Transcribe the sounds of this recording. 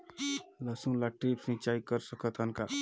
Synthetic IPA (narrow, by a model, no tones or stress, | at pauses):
ləsũlaʈɾipsĩt͡ʃaikəɾsəkət̪ɦənka